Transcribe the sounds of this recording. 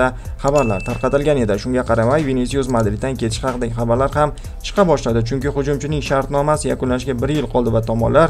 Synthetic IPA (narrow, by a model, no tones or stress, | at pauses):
a | χɑbaɾlaɾt̪ʰaɾqɑt̪ɪlɡʲane̞d̪ɪʃʊŋɡʲaqʰɑɾamajvenes̬iozmad̪lɪd̪ankʲʰet̪ʰɪ̥ʃhɑqɨd̪aɡʲɪχɑbaɾlaɾham | t͡ʃʰɨ̥qʰɑbɒʃlad̪ɪt͡ʃʰʊŋkʲɪχʊd͡ʒʊmt͡ʃʰɪnɪŋʃaɾt̪nɒmasɪjakʊnlanɪʃɡʲabɪɾjɪlˠqʰɒlˠd̪ɪvat̪ʰɒmɒ̰nlaɾ